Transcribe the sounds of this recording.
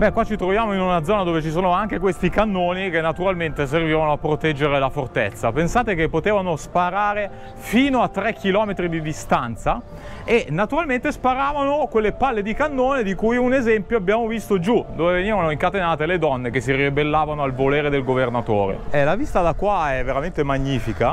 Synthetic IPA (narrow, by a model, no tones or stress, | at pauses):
bɛkwat͡ʃit̪ɾovjaːmoinunad̪zɔːnad̪oːvet͡ʃis̬oːnoaŋk̟ekwest̪ikanːoːnik̟enːat̪uɾalment̪es̬erviːvanoapːɾot̪ɛd͡ʒːeɾelafort̪et̪sːapensaːt̪ekepːot̪eːvanospaɾaːɾe | fiːnoat̪ːɾɛkʰːilɔːmet̪ɾid̪id̪ist̪ant̪sa | enːat̪uɾalment̪espaɾaːvanokwelːepalːed̪ikanːoːned̪ikujunezɛmpjoabːjaːmovist̪od͡ʒud̪oːveveniːvanoiŋkat̪enaːt̪eled̪ɔnːekes̬ːiribelːaːvanoalvoleːɾed̪elɡovernat̪oːɾḛɛlavist̪ad̪akːwaɛvːeɾament̪emaɲːiːfika